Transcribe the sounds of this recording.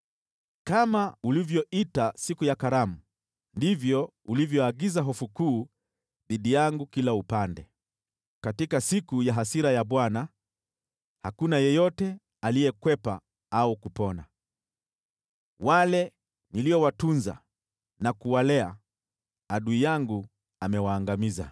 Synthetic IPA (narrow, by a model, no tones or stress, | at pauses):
kamaulivjɔitasikujakaɾamu | ndivjɔ | ulivjɔaɡizaɦɔfukuː | ðiɗijaŋɡukilaupandɛ | katikasikujaɦasiɾajaɓwana | hakunajɔjɔtɛ | alijɛkwɛpa | aukupɔna | walɛ | niliɔwatunza̰ | nakuwalɛa̰ | aɗuijaŋɡu | amɛwaːŋɡamiza̰